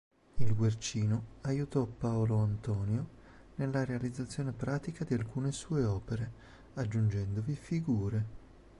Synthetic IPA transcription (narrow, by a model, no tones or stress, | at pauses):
ilɡwert͡ʃiːnoajut̪ɔpːaoloant̪ɔːnjo | nelːaɾealid̪zːat̪sːjoːnepɾaːt̪ikad̪ialkuːnesuːeɔːpeɾe | ad͡ʒːund͡ʒɛnd̪ovifiɡuːɾe